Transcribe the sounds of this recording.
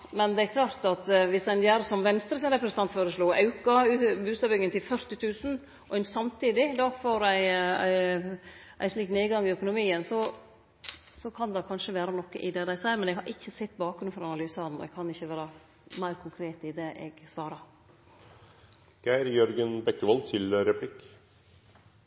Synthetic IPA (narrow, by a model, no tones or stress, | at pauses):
mɛnd̪ɛæɾkʰlɑːɾt̪ɑt̪ʋɪsæɪnjæːɾsɔmʋɛnst̪ɾəsɪnɾɛpɾəɛsəɑnt̪foːɾəsloːʔɑʉkɑʉːbʉːst̪ɑːbʏŋənt̪ʰɪlfœɾt̪ɪt̪ʰʉːsn̩ | ʔɔæɪnsɑmt̪ʰiːd̪ɪd̪ɑfoːɾæɪæɪ | ʔæ̰ɪʂliːkneːɡɑŋːɪœkʊnʊmiːənsɔ | sɔkʰɑnd̪ɑkʰɑnʂəʋeːɾɑnɔkːə̰ʔɪd̪ɛd̪æɪsæɪɾmɛnɛɡhɑɾʔɪçːəsɛt̪ːbɑːkɡɾʉnfɔɾɑnɑlyːsɑd̪n̩ɔ̰ɛ̰ɡ̚kʰɑnɪçːəʋæːɾɑ | mæɪɾkʰʊŋkʰɾeːt̪ɪd̪ɛʔɛɡsʋɑːɾɑ | ɡ̥æɪɾjœɾɡənbɛkːəʋɑlt̪ʰɪlɾɛpʰlɪk